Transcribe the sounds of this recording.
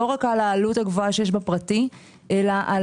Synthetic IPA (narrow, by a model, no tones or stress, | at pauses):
o̞ʁakalaːluthaɡvoaʃe̞jeʃ̬bepʁati | ʔe̞laʔal